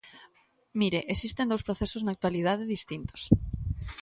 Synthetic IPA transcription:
miɾeʔesist̪end̪owspɾoθesoznak̚t̪walið̞að̞eðist̪int̪o̥s

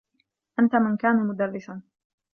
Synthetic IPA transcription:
ʔant̪amɪnkaːnamʊd̪arːɪsan

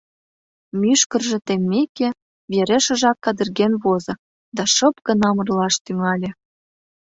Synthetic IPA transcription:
myʃkə̆rʒĕt̪emːekĕ | βeɾĕʃə̆ʒɑkːɑd̪ə̆rɣenβozɤ̆ | d̪ɑʃɤ̆p̚kə̆nɑmə̆rlɑʃt̪yŋɑlʲĕ

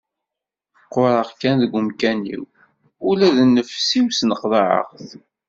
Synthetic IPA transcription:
qːoɾˤəʁkænðəɡʷʊmkænḭw | ʊlæðnːəfsiwsnəqðɑʕə̰ʁθ

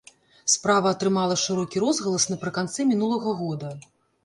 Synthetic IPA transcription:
spɾavɐːt̪ɾɨmalˠɐʂɨɾɔkʲiɾɔzɣɐlˠɐsnɐpɾɨkant̪sɛmʲinulˠɐɣɐɣɔd̪ɐ

